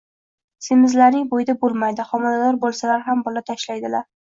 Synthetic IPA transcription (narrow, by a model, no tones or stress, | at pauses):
semɪzlaɾnɪŋbojd̪abolˠmajd̪ɪχɒmalad̪ɒɾbolˠsalaɾɦambɒlat̪ʰaʃlajd̪ɪlaɾ